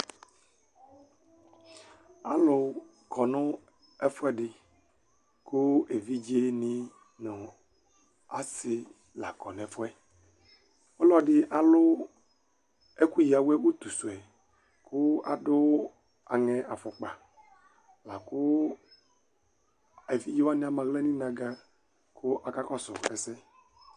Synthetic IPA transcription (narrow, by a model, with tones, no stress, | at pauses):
a˨lo˦ | kɔ˨nʊ̃˦ | ɛ˦fɛ˦ɖɪ˨ | ko˦e˨vi˦d͡ʒe˦nĩ˦ | nɔ̃˨ | a˨sɪ˦ | la˨kɔ˨nɛ̃˨fɔ˦ɛ˦ | o˦lɔ˦ɖɪ˦ʔa˨lʊ˦ | e˦ku˦ji˨a˨wɛ˦wo˦t̪u˨su˨ɛ˨ | kʰʊ˦a̰˨dʊ˦ | a˨ŋɛ˨ʔa˨fɔ˨k͡pa˨ | la˨kʊ˦ | e˨vi˦d͡ʒi˦wa˦nĩ˦a˨mã˨ɣlɛ˦nĩ˦nã˨ɡa˦ | kʰʊ˦ʔa˨ka˦kɔ˦sʊ̰˨ɛ̰˨sɛ˦